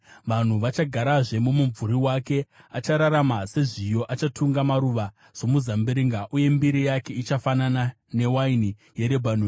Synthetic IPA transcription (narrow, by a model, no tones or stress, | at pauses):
ʋan̤uʋat͡ʃaɡʱaɾaʐe̞mumuɱvuɾiwake̞ | at͡ʃaɾaɾamase̞ʐijo̞ʔat͡ʃatʰuŋɡamaɾuʋa | ʐ̥o̞muzambeɾiŋɡaʔuje̞mbiɾijake̞it͡ʃafanana | ne̞waini | je̞ɾe̞bʱan̤u